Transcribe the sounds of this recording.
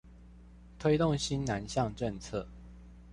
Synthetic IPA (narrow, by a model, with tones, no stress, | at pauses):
t̪ʰwe˥ɪt̪ʊ˥˨ŋɕi˦nna˨˦nɕjɑ˥˨ŋʈ͡ʂə˥˨ŋt͡sʰɤ˥˨